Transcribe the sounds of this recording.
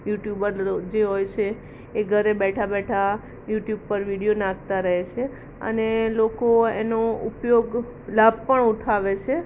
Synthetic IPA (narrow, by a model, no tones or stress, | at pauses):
juʈjubəɾd͡ʒeɦojt͡ʃʰeː | ɡʱəɾebɛʈʰabɛʈʰa | juʈjub̚pəɾʋiɽijonãk̚t̪aɾəɦet͡ʃʰe | ə̰nelokoḛnoupjoɡ | lab̚ʱpəɳuʈʰaʋet͡ʃʰe